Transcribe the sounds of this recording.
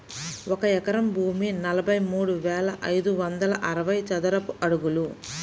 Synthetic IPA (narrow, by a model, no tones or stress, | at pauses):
ɔkɐɛkɐɾɐmbʱuːminɐlɐbʱɐjmuːɽuʋɛːlɐʔɐjd̪uʋɐnd̪ɐlɐ̰ʔɐɾɐʋɐjt͡ʃɐd̪ɐɾɐpuʔɐɽuɡulu